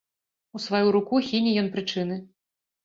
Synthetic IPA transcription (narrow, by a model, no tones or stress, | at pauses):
usvajuɾukuxʲinʲijɔnpɾɨt͡ʂɨnɨ